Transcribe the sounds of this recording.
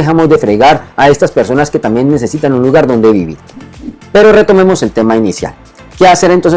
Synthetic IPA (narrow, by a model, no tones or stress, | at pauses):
examo̞zd̪e̞fɾe̞ɣaɾae̞st̪aspe̞ɾso̞naske̞t̪ambje̞nːe̞se̞sit̪anunluɣaɾðo̞nd̪e̞βḭβḭɾpe̞ɾo̞re̞t̪o̞me̞mo̞se̞lt̪e̞mainisja̰l | ke̞ase̞ɾent̪ons